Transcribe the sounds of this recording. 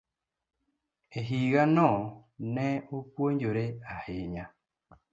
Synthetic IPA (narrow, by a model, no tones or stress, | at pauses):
eɦiɣanɔnɛopwoɲd͡ʒoɾeaheɲa